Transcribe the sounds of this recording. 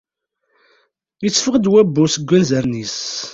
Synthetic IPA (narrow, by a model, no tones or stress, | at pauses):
jət͡sːfəʁd̪wæbːusəɡʷːænzəɾnis